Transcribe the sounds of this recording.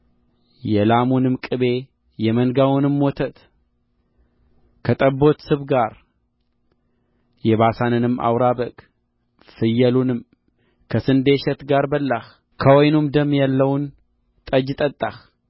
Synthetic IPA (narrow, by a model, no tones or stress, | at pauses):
jɛlamunɨmkʼɨβe̞ | jɛmənɡawunɨmwot̪ʰət̪ | kʰət̪ʼəbːo̞t̪sɨβɡaɾ | jɛβasanɨnɨmːa̰wɾabəkʼ | fɨjːɛlunɨm | kʰəsɨnd̪eʃɛt̪ɡaɾbəlːah | kʰəwojnumd̪əmːjalːəwn | t̪ʼəd͡ʒt̪ʼət̪ʼːax